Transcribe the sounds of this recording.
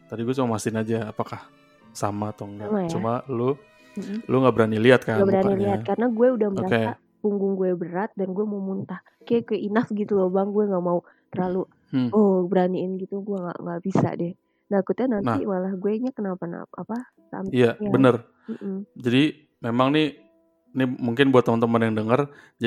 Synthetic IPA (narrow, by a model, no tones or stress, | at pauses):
t̪adiɡuɛt͡ʃumamasɪnad͡ʒaːpakah | samat̪ɔŋɡamajt͡ʃaumalu | luŋɡaʔbəɾaniliat̪̚kaɡabəɾaniliat̪̚kaɾənaɡuɛudahməoɾakea | puŋɡʊŋɡuɛbəɾat̪̚danɡuɛmaumunt̪ah | kaɡuɛʔinafɡit̪ulobaŋɡuɛŋɡaʔmau | t̪ərlalu | obəɾaniɪnɡit̪uɡuɛŋɡa̰ʔŋɡaʔb̥isa̰dɛh | naikut̪ɲanannḭmalahɡuɛɲakənapana̰apa | sa̰mijaabənər | m̩ʔm̩d͡ʒadi | memaŋnɪ | nimuŋkɪnbuat̪ːəmənt̪əmənjaŋdəŋər | d͡ʒa